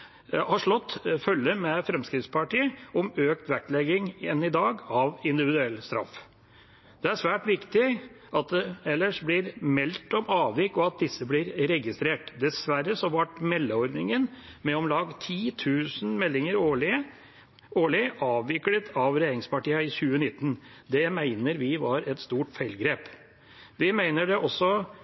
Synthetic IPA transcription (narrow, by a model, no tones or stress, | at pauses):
hɑʂɭɔt̪ːfœlːəmɛfɾɛmskɾɪft̪spʰɑʈiːəɔmøːk̚t̪ʋæʈlɛɡɪŋɛnːɪd̪ɑːɡɑʋɪnd̪ɪʋɪd̪ʉɛlːst̪ɾɑ̰f | d̪̥ɛæʂʋæːʈʋɪkt̪ɪ | ʔɑt̪̚d̪ɛɛlːəʂblɪɾmɛlt̪ɔmɑːʋɪkːɔɑt̪̚d̪ɪsːəblɪɾɾɛɡɪst̪ɾeːʈd̪ɛsʋæɾːəsɔʋɑʈmɛlːəɔɾd̪nɪŋənmɛɔmlɑːɡt̪ʰiːt̪ʰʉːsn̩mɛlːɪŋəɾoːɭɪə | oːɭɪəʔɑːʋɪklət̪ʰɑʋɾɛjeːɾɪŋspɑʈiːəɪçʉːənɪt̪ːən | d̪ɛmæɪnəɾʋɪʋɑɾɛt̪st̪uːʈfæɪlɡɾeːp | ʋɪmæɪnəɖɛʔɔsːɔ